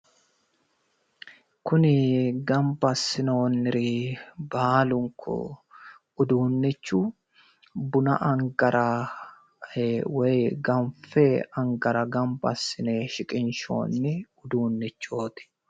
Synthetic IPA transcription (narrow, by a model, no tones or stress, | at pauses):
kʊnɪɡɐmbɐsːɪno̞ːnːɪɾibaːlʊŋkʰːɔ̰ | ʊd̪uːnːɪt͡ʃːu | bʊnɐ̰ʔɐŋɡɐɾɐ | wɔjɡɐnfɛɐŋɡɐɾɐɡɐmbɐ̰sːɪneːʃɪkʼɪnʃo̞̰ːnːɪʊd̪uːnːɪt͡ʃːo̞ːt̪ɪ̥